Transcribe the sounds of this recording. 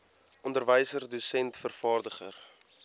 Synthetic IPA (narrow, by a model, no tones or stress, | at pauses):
ʔɔndərvəjsərdusɛntfərfɑːrdəχə̰r